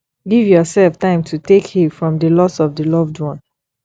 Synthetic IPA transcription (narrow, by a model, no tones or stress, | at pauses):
ɡivjɔsɛlftãɪ̃mtʰutekhifɹɔ̃mdəlɔsɔvdəlɔvdwɔ̃n